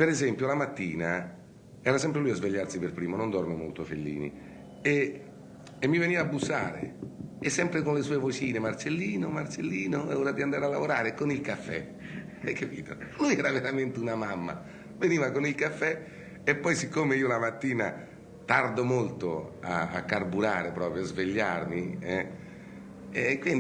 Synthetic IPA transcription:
peɾezɛmpjolamat̪ːiːna | ɛːɾasɛmpɾelujazveʎːarsiperpɾiːmonond̪ɔrmemo̰lt̪oafelːḭːnḭ | eː | mːiveniːvaːbːusːa̰ːɾḛesːɛmpɾekonlesuːevot͡ʃiːnemart͡ʃelːiːnomart͡ʃelːiːnouːɾad̪iand̪aːɾealːavoɾaːɾekonilkafːɛ̰ | kːapḭːt̪o̰lujɛːɾaveɾament̪eunamamːa̰ | veniːvakonilkafːɛ | epːɔjsikːomeiːolamat̪ːiːna | t̪ard̪omolt̪oa̰ːkːarbuɾaːɾepɾɔːpɾjoazveʎːarmiɛ | ɛkːwin

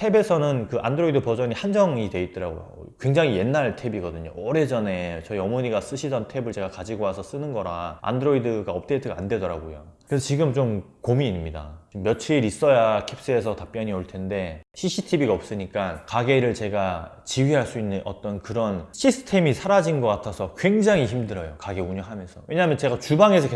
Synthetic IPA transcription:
tʰe̞be̞sʰʌnɯnkɯʔa̰ndɯɾoidɯpʌd͡ʑʌɲihand͡ʑʌŋidwe̞it̚t͈ʌɾa̰ɡo̰jo̰ | kwe̞ŋd͡ʑaŋije̞nːaɭtʰe̞biɡʌdɯɲo̰ʌɾe̞d͡ʑʌne̞t͡ɕʌiʌmoɲiɡas͈ɯɕʰidʌntʰe̞bɯɭt͡ɕe̞ɡakad͡ʑiɡoasʰʌs͈ɯnɯnɡʌɾaa̰ndɯɾoidɯɡaʌp̚t͈ʰeitʰɯɡa̰nde̞dʌɾaɡojo̰kesʰʌt͡ɕiɡɯmt͡ɕomkomiːnmɲida̰t͡ɕmːjʌt͡ɕʰiːɾis͈ʌjakʰip̚s͈ɯe̞sʰʌtap͈jʌɲioɭtʰe̞nde̞ɕʰiɕʰitʰibiɡaʌp̚s͈ɯɲik͈ankaɡe̞ɾɯɭt͡ɕe̞ɡa | t͡ɕiwɥiɦaɭs͈uinːɯnʔʌ̰t͈ʌnkɯɾʌnɕʰisʰɯ̥tʰe̞misʰaɾad͡ʑinɡʌk͈atʰasʰʌkwe̞ŋd͡ʑaŋiçimdɯɾʌjokaɡeuɲʌŋɦamjʌnsʰʌwʔe̞ɲaɦamjʌnt͡ɕe̞ɡat͡ɕubaŋe̞sʰʌk

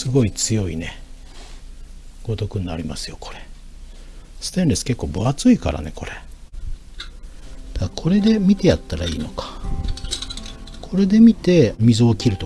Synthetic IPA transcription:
sɨɡo̞it͡sɨjo̞ine̞ | ɡ̥o̞t̪o̞kɯ̟ninaɾʲimasɨ̥jo̞kʰo̞̥ɾe̞ | sɨ̥t̪enɾesɨ̥ke̞kːo̞ːboat͡sɨika̰ɾa̰ne̞ko̞ɾe | d̪̥akʰo̞ɾe̞d̪e̞mʲit̪e̞jat̪ːaɾaḭːno̞kḁ | kʰo̞ɾe̞d̪e̞mʲit̪e̞mʲizoːkʲiɾɯ̟t̪o

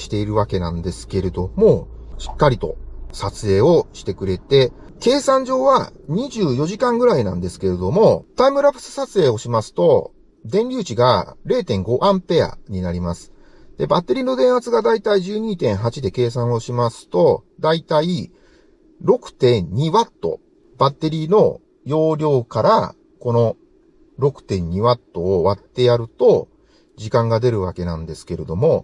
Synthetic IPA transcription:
ɕi̥t̪e̞iɾɯ̟βake̞nã̰nd̪e̞sɨ̥ke̞ɾe̞d̪o̞mo̞ɕi̥kːaɾʲit̪o̞̰sat͡sɨe̞ːo̞ɕi̥t̪e̞kɯ̟ɾe̞t̪e̞ | ke̞ːsãɲ̟d͡ʑo̞ːβaɲ̟iʑɨːjo̞ʑikãŋɡɯ̟ɾainã̰nd̪e̞sɨ̥ke̞ɾe̞d̪o̞mo̞t̪aimɯ̟ɾapɯ̥sɨ̥sat͡sɨe̞ːo̞ɕimasɨ̥t̪o̞ | d̪ẽ̞nʲɾʲɨːt͡ɕiɡa̰ɾe̞ːt̪ẽ̞ŋɡo̞ʔãmpe̞a̰ɲ̟inaɾʲimasɨ̥ | d̪̥e̞bat̪ːe̞ɾʲiːno̞d̪ẽ̞ɰ̃at͡sɨɡad̪ait̪aiʑɨːɲ̟iːt̪ẽ̞ɰ̃ɦat͡ɕid̪e̞ke̞ːs̬ãɰ̃o̞ɕimasɨ̥t̪o̞d̪ait̪ai | ɾo̞kɯ̟̥t̪ẽ̞ɲɲiβat̪ːo̞̰ | bat̪ːe̞ɾʲiːno̞̰ | jo̞ːɾʲo̞ːkaɾa̰ | ko̞no̞ | ɾo̞kɯ̟̥t̪ẽ̞ɲ̟ɲiβat̪ːo̞ːβat̪ːe̞aɾɯ̟t̪o̞ | d͡ʑikãŋɡad̪e̞ɾɯ̟βake̞nã̰nd̪e̞sɨ̥ke̞ɾe̞d̪o̞mo̞

